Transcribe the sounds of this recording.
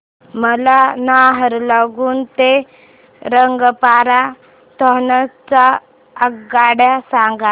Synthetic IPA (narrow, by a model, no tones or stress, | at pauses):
məlanaɦəɾlaɡuːnt̪e | ɾəŋɡpaɾa | t̪ɔɦnət͡sa | əɡaɽjasãŋɡa